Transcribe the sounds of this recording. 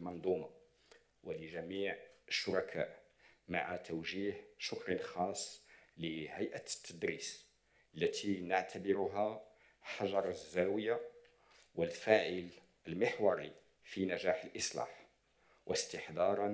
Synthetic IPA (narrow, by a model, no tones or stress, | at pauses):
lmɑnd̪ˤuma | wələʒæmiːʕəʃːʊɾɑkʰæ̰ʔ | ma̰ʕat̪æwʒiːhʃʊkɾənxɑsˤːləhæjʔət̪ʰːɑd̪ɾiːs | ʔəlːæt̪ʰinaʕt̪ʰabɪɾʊɦæ | ħɑʒɑɾˤzːæwɪja | wəlfaʕəl | əlməħwɑɾḭ | finæʒaħəlʔəsˤlɑ̰ħ | wʔəst̪əħd̪ɑɾˤɑ